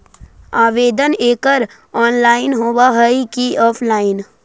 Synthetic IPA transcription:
aːʋeːd̪əneːkəɾ | ɔːnlaːɪnɦoːbaɦəikiʔɔːpʰlaːɪn

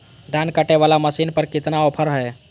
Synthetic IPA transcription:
d̪ʱankəʈeβalaməsinpəɾkit̪naopʰəɾɦəe

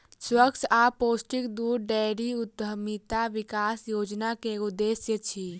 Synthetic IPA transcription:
swəkt͡ʃaːpoːsʈɪkd̪uːɾɖɛːɾiʊt̪əmit̪aʋɪkaːsjoːd͡ʒnakeʊd̪ːeːsjət͡ʃʰiː

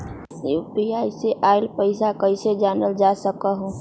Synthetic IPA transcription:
piajseʔaɪlpəɪsakəɪsed͡ʒanəld͡ʒasəkəɦu

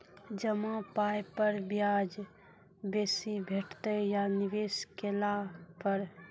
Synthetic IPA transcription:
d͡ʒəmapaːjpəɾbjaːd͡ʒ | beːsibʱeʈʰt̪əjanɪʋeːskelapəɾ

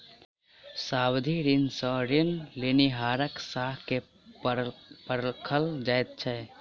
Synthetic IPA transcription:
saːbd̪ʱiɾinsɔ̃ɾinleniɦaːɾəksaːɦke | pəɾlkʰəld͡ʒajt̪̚t͡ʃʰɛ

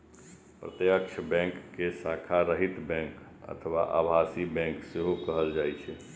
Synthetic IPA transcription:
pɾət̪jəkʃʰəbɛ̃ŋkːesakʰaɾəɦit̪bɛ̃ŋkə̰t̪ʰəʋa̰ʔa̰bʱasibɛ̃ŋkseɦokəɦəld͡ʒaːjt͡ʃʰɛ

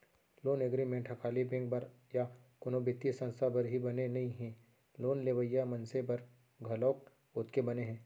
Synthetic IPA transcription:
loːneɡɾimẽɳʈɦɐkʰaːlibɪ̃ŋɡbɐɾ | jakʊnobɪt̪ːisɐ̃nst̪ʰabɐɾɦibɐnenɐɦĩɦɛ̃ː | loːnleːʋəjamɐ̃nsepɐɾ | ɡʱɐlɔːk̚ | ʊt̪kebɐneɦɛ̃ː

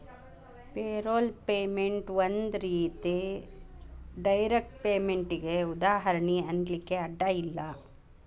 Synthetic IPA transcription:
peːɾoːlpeːmeɳʈʋɐnd̪ɾiːt̪i | ɖɐjɾek̚ʈ̚peːmeɳʈiɡeud̪aːɦɐɾɐɳiɐnd̪likːeɐɖːɐilːɐ

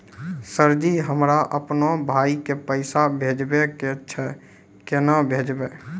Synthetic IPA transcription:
səɾd͡ʒiɦəmɾaʔəpnobʱaːikepəɪsabʱeːd͡ʒbeket͡ʃʰɛ | kenəbʱeːd͡ʒbe

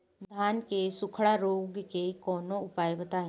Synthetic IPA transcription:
d̪ʱaːnkesʊkʰɽaɾoːɡkekɔːnõʊpaːebɐt̪aːẽ

